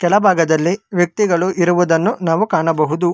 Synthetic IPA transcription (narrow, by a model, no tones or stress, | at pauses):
kɛlɐbʱaːɡɐd̪ɐlːiʋjɐk̚t̪iɡɐɭuʔiɾuʋud̪ɐnːunaːʋukaːɳɐbɐɦud̪u